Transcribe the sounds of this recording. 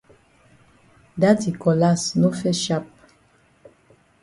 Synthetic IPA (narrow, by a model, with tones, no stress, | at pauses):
da˦ti˨kɔ˨la˦sno˦fɛ˦ʃa˦p̚